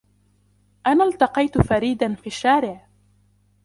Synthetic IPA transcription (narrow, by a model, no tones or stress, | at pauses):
ʔanaːlt̪ɑqɑjt̪ʊfaɾiːd̪anfiːʃːaːɾɪʕ